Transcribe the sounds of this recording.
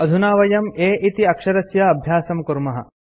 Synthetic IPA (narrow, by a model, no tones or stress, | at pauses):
ɐd̪ʱunaːʋɐjɐmeːʔit̪iɐkʂɐɾɐsjɐɐbʱjaːsɐmkuɾmɐɦɐ̰